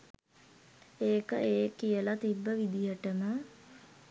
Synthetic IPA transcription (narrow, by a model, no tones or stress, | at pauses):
eːkəeːkijəlat̪ibːəʋid̪ijəʈəmə